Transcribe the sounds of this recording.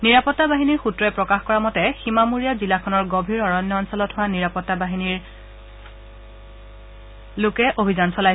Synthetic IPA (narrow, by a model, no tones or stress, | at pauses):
niɹapɔtːabaɦiniɹxutɹɔɛpɹɔkaxkɔɹamɔtɛximamuɹijazilakʰɔnɔɹɡobʱiɹɔɹɔnjɔɔnsɔlɔtɦowaniɹapɔtːabaɦiniɹ | lʊkɛʔobʱizansɔlaj